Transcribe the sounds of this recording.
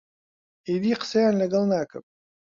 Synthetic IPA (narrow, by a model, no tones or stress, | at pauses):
iːd̪iːqə̥sɐjaːnlɐɡɐlˠnaːkɨ̰m